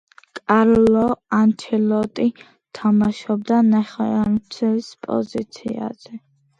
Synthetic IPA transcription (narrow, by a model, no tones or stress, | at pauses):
kʼaɾlɔant̪ʰilɔt̪ʼi | t̪ʰamaʃɔbd̪anɛχɔant̪sʰɛlispʼɔ̰zit̪sʰḭa̰z̥ɛ